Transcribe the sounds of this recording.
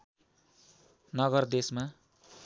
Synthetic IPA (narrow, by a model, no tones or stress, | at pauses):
nʌɡʌrd̪esma